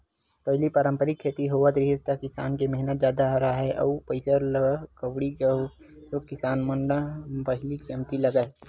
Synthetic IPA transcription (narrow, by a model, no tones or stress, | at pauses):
pɐɦɪlipɐɾə̃mpəɾikʰːeːt̪iɦoːʋad̪ɾɪɦɪst̪akɪsaːnkemɛɦɪnət̪d͡ʒjaːd̪aɦɾaɦɛʔɐːpəɪsəɾləkəʋɽiɡə | sokɪsaːnməɳɖəpɐɦɪlikimt̪ilɐɡae